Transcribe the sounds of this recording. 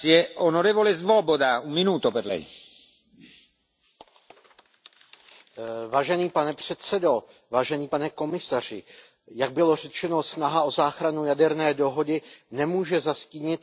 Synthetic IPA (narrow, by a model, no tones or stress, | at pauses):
iɛonoɾɛːvolezvobod̪aumminuːt̪opɛrlɛ̰j | vaːʒɛniːpanɛpr̥ɛt̪sɛdo̞ | vaːʒɛniːpanɛko̞mɪsar̝ɪ | jaɡ̚bɪlo̞r̝ɛt͡ʃɛno̞snaɦaʔo̞zaːxɾanujadɛɾnɛːdo̞ɦo̞dɪnɛmuːʒɛzasciːɲɪt̪̚